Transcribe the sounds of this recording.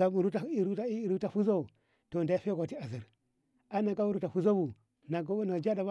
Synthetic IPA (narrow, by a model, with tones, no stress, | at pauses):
a˨mu˨ɾu˦ti˨ɾu˦ta˦i˦˨ɾu˦ta˨fu˦zo˦˨ | to˨n˨da˦i˦fe˦ɡʷa˨ti˦a˨zi˨ɾ | a˦na˨ka˦u˦ɾu˦ta˨fu˦zo˦bu˨ | na˨ɡo˦na˨d͡ʒa˦da˨ba˦